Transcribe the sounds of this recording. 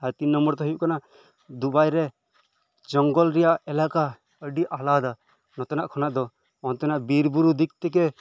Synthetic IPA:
aɾt̪inːɔmbɔɾt̪ɔɦɔjuʔ̚kana | d̪ubajɾɛ | d͡ʒɔŋɡɔlɾɛjaʔɛlaka | əɖiʔalad̪a | nɔt̪ɔnaʔkʰɔnaʔd̪ɔ | ɔnt̪ɔnaʔbiɾbuɾud̪ik̚t̪ɛk̬ɛ

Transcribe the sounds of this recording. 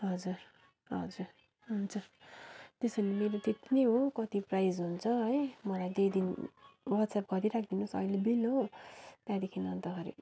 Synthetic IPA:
ɦʌd͡zur | ɦʌd͡zur | ɦunt͡sʰʌ | t̪esʌlimeɾot̪et̪iniɦokʌt̪iprajd͡zɦunt͡sʰʌɦʌjmʌlajd̪ejd̪inwʌd̪sapɡʌɾiɾak̚ʰd̪inusʌ̰jlebilot̪jãd̪ekʰinʌnt̪ʌɡʌɾḭ

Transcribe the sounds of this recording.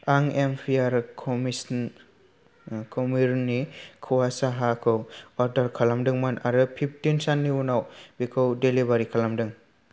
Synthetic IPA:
aŋempʰiaɾkʰɔmisn | kʰomiɾnikʰɯwasaɦakʰɯwɔɾdaɾkʰalamdɯŋmanaɾɯpʰip̚ʰtinsanːiunawbikʰɯwdelibaɾikʰalamdɯŋ

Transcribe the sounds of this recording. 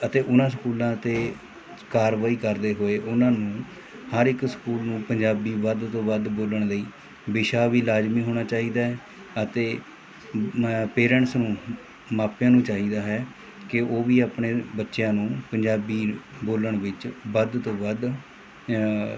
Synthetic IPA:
ət̪eːʔʊnãːskuːlãːt̪eː | kaːɾʋaːiːkəɾd̪eːɦoːeːʔʊnãːnũː | həɾɪkskuːlnũːpəɲd͡ʒaːbiːʋəd̪t̪õːʋəd̪boːləɳləiː | bɪʃaːʋiːlaːd͡ʒmiːɦoːɽ̃aːt͡ʃaːɦiːd̪aːɦɛː | ət̪eː | peːɾəɳsnũː | maːpjãːnũːt͡ʃaːɦiːd̪aːɦɛː | kɪʔoːʋiːaːpɳeːbətːʃjãːnũːpəɲd͡ʒaːbiːboːləɳʋɪt͡ʃbəd̪t̪õːʋəd̪

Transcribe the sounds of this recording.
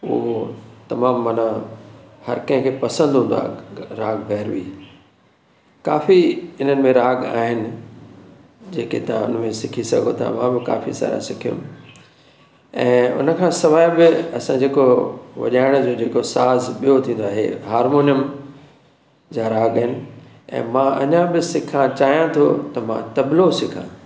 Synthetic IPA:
ʊ̰ɦot̪ɐmaːmːɐna | hɐ̰ɾkɐ̃ɦɪ̃kʰeːpɐsə̃nd̪ʱɦũːnd̪a̰ːɾaːɡbʱɛɦɾʋḭː | kaːfiɪn̤ənɪ̆mẽɾaːɡa̰ːɦɪnɪ̆ | d͡ʑeːket̪ɐʋ̤ãʊn̤ə̆mẽsɪkʰisɐ̰ɡʱot̪ʰã̰mã̰ːbɪka̰ːfḭsa̰ːɾja̰sɪkʰijṵ̃m | ɛ̃ːʊ̰nə̆kʰãːsɐʋaːjbɪɐsãd͡ʑeːkoʋɐ̰ʄaːɪɽ̃d͡ʑoːd͡ʑeːkosaːzɓijot̪ʰĩːnd̪oaːɦḛɦaːɾmoːnijəm | d͡ʑaːɾaːɠaːɦɪnɪ̆ | ɛ̰̃ːmãːʔɐ̰ɲãbɪsɪkʰãt͡ɕaːijãt̪ʰo̰t̪ɐmã̰t̪ɐblosɪkʰã̰

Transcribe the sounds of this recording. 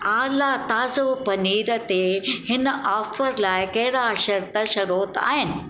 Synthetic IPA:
aːlat̪aːzopɐniːɾət̪ehɪnaːfəɾlaːɪkɐɦɪɾaʃɐɾt̪əʃɐɾoːt̪a̰ːɦɪnɪ̆

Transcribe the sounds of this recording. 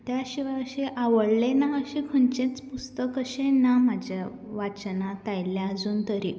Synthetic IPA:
t̪jaɕiʋaəɕeʔaʋəɽlenaəɕikʰənt͡ɕẽt͡spust̪əkəɕẽnam̤ad͡ʑʱja | ʋat͡ɕnat̪ajljaəd͡zuːnt̪əɾi

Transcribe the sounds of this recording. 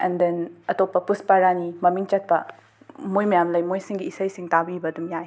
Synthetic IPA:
ɛndenɐtopːɐpuspaɾanimɐmiŋt͡ʃɐt̚pɐ̰ | mojmɐjamlɐjmojsiŋɡiːsɐjsiŋtabiibɐɐdumjaj

